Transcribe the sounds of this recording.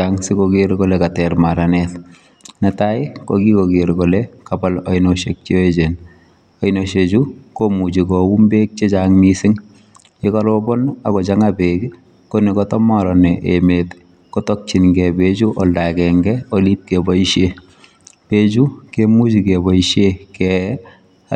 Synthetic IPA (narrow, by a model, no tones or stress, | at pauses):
aŋsɪkokeɾkolɛkatɛɾmaɾanɛt | nɛtaɪkɔ̰kikoɡeɾkolɛkapalɔinoʃek̚t͡ʃioet͡ʃen | ɔinoʃet͡ʃukomud͡ʒikɔumbeːk̚t͡ʃet͡ʃaŋmisɪŋ | ekɔlɔbɔnakɔt͡ʃaŋabek | konekɔtɔmɔɾɔnɛʔemet | kɔtɔk̚t͡ʃinŋɡɛbet͡ʃuʔɔldakɛŋɡɛolip̚kebɔiʃe | pet͡ʃukemut͡ʃikebɔiʃjekɛ